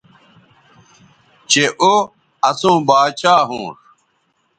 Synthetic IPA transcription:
t͡ɕeʔo | ɐsũːbaːt͡ɕaːɦṵ̃ːʂ

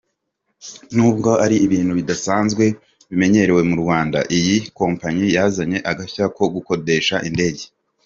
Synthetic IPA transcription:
nuːbɡo̞aɾiːβiːn̥huβidasaːnzɡwe̞ | βime̞ɲe̞ɾe̞we̞muɾɡwaːnda̰ʔijiko̞ːmpaɲijaːzaɲe̞ʔaɡaçako̞ɡuko̞de̞ʃaʔinde̞ːɟe

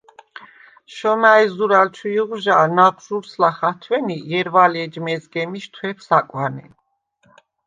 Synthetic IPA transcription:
ʃɔmaɛzuɾalt͡ʃʰuuʁʒaːnaʁʒuɾslaχat̪ʰwɛnijɛɾvalɛd͡ʒmɛzɡɛmiʃt̪ʰwɛpʰsakʼwani

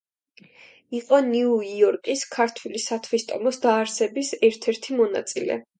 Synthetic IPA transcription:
iqʼɔniuiɔɾkʼiskʰaɾt̪ʰwilisat̪ʰwist̪ʼɔmɔsd̪aːɾsɛbisɛɾt̪ʰɛɾt̪ʰimɔna̰t̪sʼilɛ̰

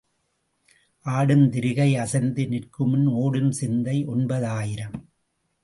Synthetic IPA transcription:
ʔaːɽɯmt̪ɪɾɪɣɐɪɐsɐnd̪ɯnɪrkɯmɯnoːɽɯmsɪnd̪ɐɪʔɔɳbɐðaːjɪɾɐm

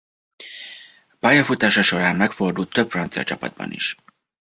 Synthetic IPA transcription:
b̥ɒjɒfut̪aːʃɒʃo̞ɾaːnːɛkfo̞rd̪ult̪ʰːøpfɾɒnt̪siɒ̰t͡ʃɒpɒ̰d̪̚bɒ̰nḭʃ

